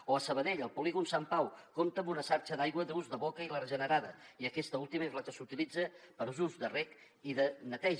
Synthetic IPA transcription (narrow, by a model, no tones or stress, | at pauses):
oəsəβ̞ənɛʎəlˠpuliɣunsampawkomt̪əmbunəsaɾt͡ʃəðajɣwəðuzðəβɔkəilərəʒənəɾaðəiəkɛst̪əulˠt̪iməezləkəsut̪ilid͡zəpəɾuzuzdərɛk | iðənət̪ɛʒ